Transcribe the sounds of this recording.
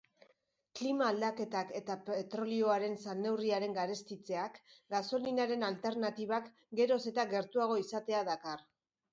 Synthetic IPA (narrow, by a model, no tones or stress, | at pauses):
klimaːld̪ake̞t̪ake̞t̪apet̪ɾo̞lio̞aɾe̞nsane̞wriaɾe̞ŋɡaɾe̞st̪it͡se̞akɡaso̞linaɾe̞nalt̪e̞ɾnat̪iβ̞ak | ɡe̞ɾo̞se̞t̪aɡe̞ɾt̪uaɣ̞o̞isat̪e̞aðakar